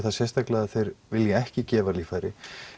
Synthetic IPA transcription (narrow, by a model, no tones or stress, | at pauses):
θaðsjɛst̪aklaaθejɾvɪljɛɛhcɪcɛːvaliːfajɾɪ